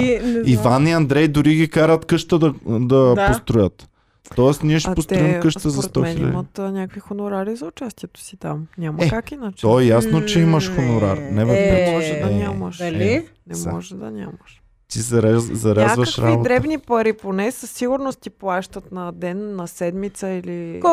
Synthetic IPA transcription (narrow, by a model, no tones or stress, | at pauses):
iivaniɐnd̪ɾɛjd̪ʊɾiɡikaɾət̪kɤʃt̪əd̪ɐd̪ɐpost̪ɾʊjət̪ | t̪ɔɛsniɛʃɛpost̪ɾʊimkɤʃt̪əzɐst̪ɔxnil̰imɐt̪nʲakvixonʊɾaɾizɐʊt͡ʃast̪ʲiɛt̪o̥sit̪amnʲamɐɛkakinət͡ʃt̪ɔɛjasnot͡ʃɛiməʃxonʊɾaɾnɛvɛpɾɛt̪ʒɛd̪ɐiaməʃɐi | nɛmɔʒɛd̪ɐ̰nʲa̰məʃ | t̪izɐɾɛzɐɾazvəʃɾa̰botd̪ɾɛbnipɐɾiponɛsɐsːiɡʊɾnost̪t̪iplˠaʃt̪ət̪nɐd̪ɛnːɐsɛd̪mit̪səili